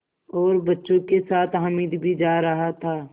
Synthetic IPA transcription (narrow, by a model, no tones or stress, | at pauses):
ɔːɾbɐtːʃõkesaːt̪ʰɦəmiːd̪bʱid͡ʒaːɾɐɦat̪ʰaː